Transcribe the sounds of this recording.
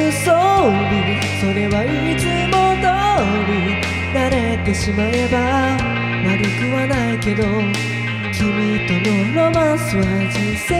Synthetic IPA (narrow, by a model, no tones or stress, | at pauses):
soɾʲi | so̞ɾe̞βai | t͡sɨmod̪o | ɾʲi | naɾe̞t̪e̞ɕimae̞ba | maɾʲɯkɯ̟βanaike̞d̪o̞ | kʲimʲit̪ononomasɨβa | d͡ʑise